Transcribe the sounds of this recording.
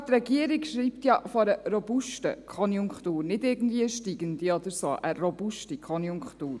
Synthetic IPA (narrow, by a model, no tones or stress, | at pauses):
t̪ɾɛɡiəɾikʃɾiːptjɑfɔɾəɾɔbuʃtə̰kʰɔnjuŋkχtuːɾnɪdɪɾɡn̩d̪viːəʃtiːɡəndiɔd̪əɾso̰ːʔəɾɔbuʃtikʰɔnjʊŋkχtuːɾ